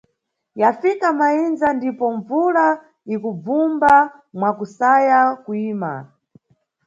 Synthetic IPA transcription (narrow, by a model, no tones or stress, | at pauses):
jafikamainzandipɔɱvula | ikub͡vumba | mwakusajakuiːma̰